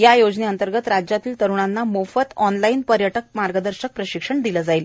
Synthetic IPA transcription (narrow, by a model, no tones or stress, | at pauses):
jajod͡zneənt̪əɾɡət̪ɾad͡ʑjat̪iːlt̪əɾuɳanːamofət̪ɔnlainpəɾjəʈək̚maɾɡəd̪əɾɕək̚pɾəɕikʂəɳd̪iləd͡zaiːl